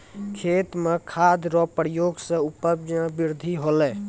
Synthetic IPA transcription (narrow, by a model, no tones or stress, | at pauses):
kʰet̪mekʰad̪ɾɔpɾjoɡsə̃upəbd͡ʒəbiɾd̪ʱiɦolɛ